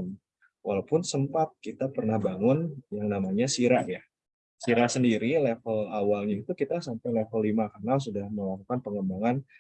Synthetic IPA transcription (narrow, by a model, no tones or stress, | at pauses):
n | wʔalawpʊnsəmpat̪̚kit̪apərnahbaŋʊnjaŋnamaɲasiɾaʔja | siɾasəndiɾilefəlawalɲait̪ukit̪asampajlefəlːimakarənas̬udahməlakukanpəŋəmbaŋan